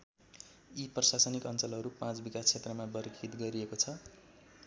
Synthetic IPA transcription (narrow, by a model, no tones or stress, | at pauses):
iprʌsasʌnikʌnt͡sʌlɦʌɾupãt͡sbikast͡sʰet̪rʌmabʌɾkʰit̪ɡʌɾiekot͡sʰʌ